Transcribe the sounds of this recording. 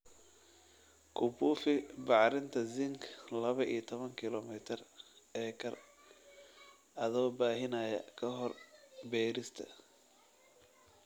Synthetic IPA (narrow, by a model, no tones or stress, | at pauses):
kʰʊbuːfɪbɑʕɾɪnt̪ʰɐzɪŋkʰlɐβɐʔḭːjt̪ʰɔβɐŋkʰɪlɔmɪt̪ʰɪrɛːkʰɐr | ʔɐðɔːbaːɦɪnɐjɐ̰kʰɐɦɔrbɛːɾɪst̪ʰɐ̰